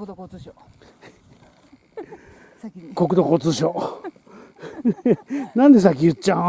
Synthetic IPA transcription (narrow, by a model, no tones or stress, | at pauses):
ko̞kɯ̟d̪okot͡sɨɕo | nãnd̪e̞sak̬ʲijɯtt͡ɕːã